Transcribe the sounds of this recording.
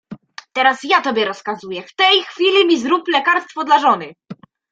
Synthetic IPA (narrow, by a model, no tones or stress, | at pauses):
t̪ɛɾasjat̪ɔbʲjɛɾɔskazujɛft̪ɛjxfʲilʲimʲizɾuplɛkaɾst̪fɔd̪laʐɔnɘ